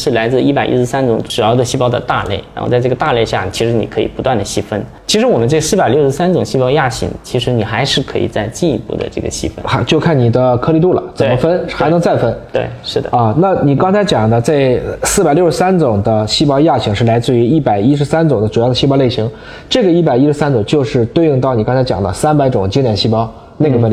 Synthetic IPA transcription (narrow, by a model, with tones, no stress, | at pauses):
ʂɻ̩˥˩la˧˥ɪt͡sɹ̩˥˧i˥˩pa˨˩ɪʔḭ˧˥ʂɻ̩˧sa˥nʈ͡ʂʊ˨˧˥ŋʈ͡ʂu˨˩jɑ˥˩d̪ə˨ɕi˥pɑ˥ʊd̪ə̰˨t̪a̰˥˧le˥˩ɪa̰˧˥xo̰˥˧ʊt͡sa˥˧ɪʈ͡ʂɤ˥˩ɡə˩t̪a˥˧le˥˧ɪɕja̰˥˩˨t͡ɕʰi˧˥ʂɻ̩˧˥nḭ˨˩kʰɤ˧˥i˨˩pu˧˥t̪wa˥˩nd̪ə˩ɕi˥fə˥n | t͡ɕʰi˧˥ʂɻ̩˧˥wɔ˨˩mə˦nʈ͡ʂɤ˥˩ə˩sɹ̩˥˩pa˨˩ljo˥˩ʊʂɻsa˥nʈ͡ʂʊ˨˩ŋɕi˥˧pɑ˥ʊja˥˩ɕʰḭ˧˥ŋt͡ɕʰi˧˥ʂɻ̩˧˥ni˨˩xa˧˥ɪʂɻ̩˥˧kʰɤ˧˥ḭ˨˩t͡sa˥˧ɪt͡ɕi˥˩nḭ˧˥pṵ˥˩d̪ə̰˩ʈ͡ʂɤ̰˥˩ɡə̰˩ɕḭ˥fə̰˥na˧˥t͡ɕjo˥˧ʊkʰa˥˩ni˨˩d̪ə˦kʰɤ˥li˥˧t̪u˥˩lə̰˩t͡sə˨˧˩mə˦fə˥nxa˧ɪnɤ˧˥ŋt͡sa˥˩ɪfə˥nt̪wḛ˥˩ɪʂɻ̩˥˩d̪ə̰˩ə˥˧na˥˩ni˨˩kɑ˥ŋt͡sʰɪt͡ɕjɑ˨˩ŋd̪ə˦t͡sa˥˩ɪsɹ̩˥˩pa˨˩ɪljo˥˩ʊʂɻ̩˧˥sa˥nt͡sʊ˨˩ŋd̪ə˦ɕi˥˩pɑ˥ʊja˥˩t͡ɕʰi˧˥ŋʂɻ̩˥˩la˧˥ɪt͡sɹ̩˥˩y˧˥i˥˩pa˨˩ɪi˥ʂ̬ɻ̩˧˥sa˥nt͡sʊ˨˩ŋd̪ə˦ʈ͡ʂu˨˩jɑ˥˩ʊd̪ə˩ɕi˥˧pɑ˥ʊle˥˩ɕi˧˥ŋ | ʈ͡ʂɤ˥˩ɡə˩i˥˩pa˨˩ɪi˥ʂɻ̩˧˥sa˥nʈ͡ʂʊ˨˩ŋt͡ɕjo˥˧ʊʂɻ̩˥˧t̪wɪy˥˧ŋt̪ɑ˥˩ʊni˨˩kɑ˥ŋt͡sʰt͡ɕjɑ˨˩ŋd̪ə̰˧sa˥npa˧˥ɪʈ͡ʂʊ˨˩ŋt͡ɕi˥ŋljɛ˧˩nɕi˥˩pɑ˥ʊ | na˥˩ɡə˧wə˥˩n˩